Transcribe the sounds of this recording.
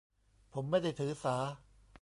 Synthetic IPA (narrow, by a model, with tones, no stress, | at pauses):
pʰo˩˦mːa˥˩jda˥˩jt̪ʰɯː˩˦saː˩˦